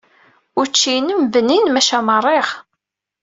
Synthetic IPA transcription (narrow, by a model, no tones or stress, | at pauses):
ʊɾt͡ʃːinəmvənːinmæʃæmərˤːeʁ